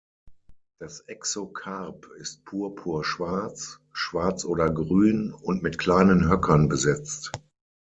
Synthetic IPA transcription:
d̥asʔɛksokʰaʁpɪst̚pʰuːɐpʰuːɐʃv̥aɐt͡s | ʃv̥aɐt͡sʔoːdɐɡʁyːnʊntmɪtkʰl̥aɪnənɦœkʰɐnbəzɛt͡st

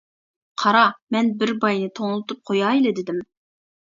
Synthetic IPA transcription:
qʰɑɾɑmɛnbɪɾbɑjnɨt̪ʰoŋlˠɨt̪up̚qʰojɑːilɪd̪ɪd̪ɪm

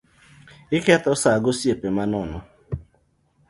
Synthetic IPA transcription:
ɪkeatɔsaɡosiepemanɔnʊ

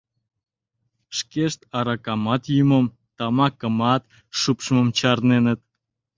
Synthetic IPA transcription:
ʃkeʃt̪ɑɾɑkɑmɑt̪jyməm | t̪ɑmɑkəmɑt̪ | ʃupʃmə̆mt͡ɕɑrnenət̪̚

